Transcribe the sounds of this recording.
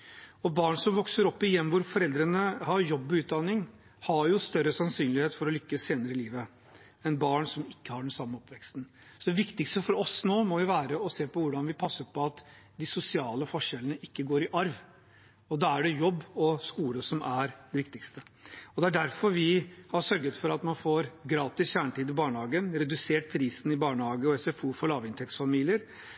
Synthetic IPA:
ɔbɑːɳsɔmʋɔksəɾɔpːɪjɛmːʋʊɾfɔɾɛld̪ɾənəhɑɾjɔbːɔʉːt̪̚d̪ɑnːɪŋ | hɑɾjʊst̪œɾəsɑnsyːnlɪheːt̪fɔɾɔlʏkːəsːeːnəɾəɪliːʋə | ɛnbɑːɳsɔmɪkːəhɑɖɛnsɑmːəɔpʋɛkst̪n̩ | sɔd̪ɛʋɪkt̪ɪkst̪əfɔɾɔsnoːmɔjʊʋæːɾəɔseːpʰɔʋʊɖɑnʋɪpʰɑsːəɾpʰɔɑt̪ | d̪ɪsʊsɪɑːləfɔʂɛlənəʔɪkːəɡoːɾɪʔɑɾʋ | ɔd̪ɑːæɖɛjɔbːɔskuːləsɔmʔæɾd̪ɛʋɪk̚t̪ɪkst̪əɔd̪ɛæɖæɾfɔɾʋɪhɑɾʂœɾɡət̪fɔɾɑt̪mɑnfoːɾɡɾɑːt̪ɪsçæːɳʈiːd̪ɪbɑːɳəhɑːɡənɾɛd̪ʉseːʈ̚pʰɾiːsn̩ɪbɑːɳəhɑːɡəɔɛsɛfuːfɔɭɑːʋɪnt̪ʰɛksfɑmiːlɪəɾ

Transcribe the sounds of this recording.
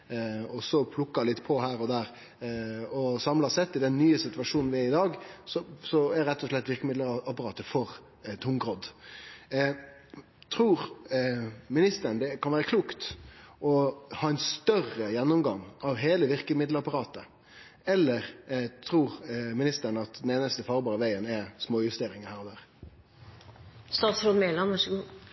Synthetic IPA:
ɔsɔpʰlʊkːɑlɪt̪ːpʰɔhæːɾɔd̪æːɾ | ɔsɑmlɑsɛt̪ːɪd̪ɛnːyːəsɪt̪ʉʋɑʂuːnn̩ʋɪɛɾɪd̪ɑːɡsɔsɔæɾɛt̪ːɔʂlɛt̪ːʋɪɾkəmɪd̪ləɾɑpɑɾɑːt̪əfɔɾ | t̪ʰʊŋɡɾɔd̪ | t̪ʰɾuːɾ | mɪnɪst̪əɾnd̪ɛkʰɑnʋæːɾəkʰluːkt̪ɔhɑːɛnst̪œrəjɛnːʊmɡɑŋɑʋɦeːləʋɪʁkəmɪd̪ləɾɑpɑɾɑːt̪ə | ɛlːəɾt̪ʰɾuːʁmɪnɪst̪ənɑt̪d̪ɛneːnəst̪əfɑːɾbɑːɾəʋæɪənɛsmoːjʉst̪eːɾɪŋəhæːɾɔd̪æːʁ | st̪ɑːt̪sɾoːd̪meːlɑnəʂɡu

